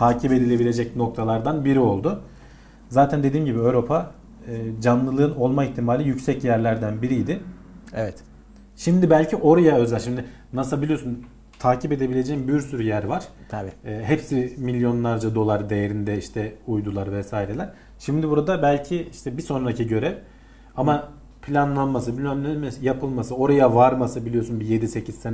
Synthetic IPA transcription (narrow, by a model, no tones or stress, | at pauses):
t̪ʰaːcʰipe̞d̪ilʲe̞bilʲe̞d͡ʒɛcno̞k̚t̪ʰalˠaɾd̪anbiɾio̞lˠd̪ʊ | zaːt̪ʰænd̪e̞d̪iːmɟibiøvɾo̞pʰaː | d͡ʒanlˠɯlˠɯɯno̞lˠmaiçt̪ʰimaːlʲijycsɛcjæɾlʲæɾd̪ænbiɾijd̪ɪ | ɛvɛt̪ | ʃimd̪ibælʲcʰiʔo̞ɾajaø̞zælʲʃimd̪ɪ | nasɯlˠbilʲiosun | t̪ʰaːcʰipe̞d̪e̞bilʲe̞d͡ʒɛimbjyɾsyɾyjæɾvaɾ̥ː | ɦɛpsimilʲjo̞nlˠaɾd͡ʒad̪o̞lˠaɾd̪e̞jeɾind̪ɛiʃt̪ʰɛujd̪ulˠaɾvɛsaːjiɾelʲæɾ̥ | ʃimd̪ɪbuɾad̪abælʲcʰiiʃt̪ʰɛbiso̞nɾacʰiɟø̞ɾɛv | ama | pʰlʲanlˠanmasɯbilʲɛmlʲemsjapʰɯlˠmasɯo̞ɾajavaɾmasɯbilʲijo̞sunbijed̪ise̞cʰizsen